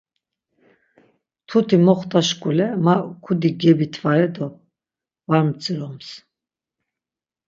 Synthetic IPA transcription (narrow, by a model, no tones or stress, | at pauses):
t̪ʰut̪ʰimɔχt̪ʰʼaʃkʼulɛmakʰud̪iɡɛbit̪ʰvaɛd̪ɔ | vaɾmt͡sʼiɾɔms